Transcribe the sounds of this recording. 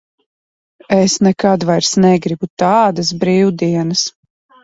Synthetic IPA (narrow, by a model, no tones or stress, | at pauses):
esnɛkad̪vajɾsnɛɡɾibut̪aːd̪as̬bɾiːwd̪iɛnɐs